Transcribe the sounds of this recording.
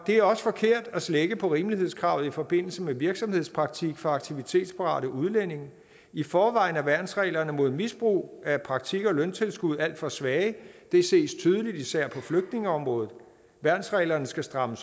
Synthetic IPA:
d̥e̝æɐɒ̽sə̥fɒ̽kʰe̝ɐ̰d̥æsleɡ̥əpʰɒ̽ʁiːmliɦe̝ð̞̰ˠskʰʁɑ̈ʊð̩ˠifɒ̽b̥e̝n̰l̩səmeʋiɐɡ̥sɒ̽mhe̝ð̞̰ˠspʰʁɑ̈ɡ̥̚t͡sʰiɡ̥fɒ̽ɑ̈ɡ̥t͡sʰiʋit͡sʰe̝̰ːd̥spʰɑ̈ʁɑ̰̈ːɾ̥əuð̞ˠlen̰e̝ŋ | ifɒːʋɑ̈ɪ̰næʋæɐd̥n̩sʁɛ̰ːlɐnəmo̝ð̞̰ˠmisb̥ʁṵːæpʰʁɑ̈ɡ̥̚t͡sʰiɡ̥ɒ̽lønt͡sʰe̝lsɡ̥uð̞̰ˠæl̰d̥fɒ̽sʋɛːɪd̥e̝se̝̰ːst͡sʰyːð̞ˠəlid̥isæɐ̰pʰɒ̽fløɡ̥̚d̥ne̝ŋəɒ̽mʁɔ̽ːð̩ˠ | ʋæɐd̥n̩sʁɛ̰ːlɐnəsɡ̥æsd̥ʁɑ̈məs

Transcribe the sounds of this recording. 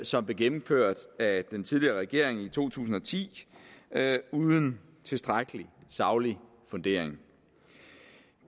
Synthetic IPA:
sɒ̽mb̥le̝ɡ̥enm̩føɐ̰d̥æd̥ent͡sʰið̞ˠliɐːʁɛɡ̥e̝ɐ̰e̝ŋit͡sʰo̝̰ːt͡sʰṵːsn̩ɒ̽t͡sʰḭː | uːðˠən̩ | t͡sʰe̝sd̥ʁaɡ̥əlisɑ̈ʊli | fɔ̽nd̥e̝̰ɐ̰eŋ

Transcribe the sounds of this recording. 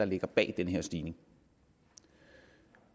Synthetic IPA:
ɑ̈le̝ɡ̥ɐb̥ɛ̰ːd̥enəɦeɐ̰sd̥iːne̝ŋ

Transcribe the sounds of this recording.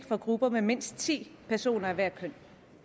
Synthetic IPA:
ɡ̥fɒ̽ɡ̥ʁub̥ɐmeme̝n̰sd̥̚t͡sʰḭːpʰæɐso̝̰ːnɐæʋæɐ̰kʰøn̰

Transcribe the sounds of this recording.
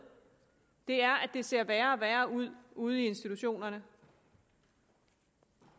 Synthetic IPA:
d̥e̝æɐʔæd̥e̝se̝ɐ̰ʋæːɐɒʋæːɐuð̞̰ˠuːð̞̩ˠie̝nsd̥it͡sʰuɕo̝̰ːnɐnə

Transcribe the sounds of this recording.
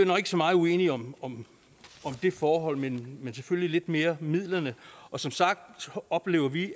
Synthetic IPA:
nɒɡ̥e̝ɡ̥sɒ̽mɑ̈ːð̞̩ˠuḛːniɒ̽mɒ̽m | ɒ̽md̥e̝fɒːɦɒ̽l̰menmens̬eføllile̝d̥me̝ːɐmið̰ˠlɐnəʔɒ̽sɒ̽msɑ̈ɡ̥̚d̥ɒ̽b̥le̝ːʊɐʋi

